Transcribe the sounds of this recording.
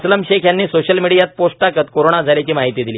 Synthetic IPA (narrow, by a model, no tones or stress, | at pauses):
sləmɕekʰjanːiːsoɕəlmiɽijat̪̚posʈʈakət̪koɾoɽ̃ad͡zʱaljat͡ɕiːmaɦit̪iːd̪iliː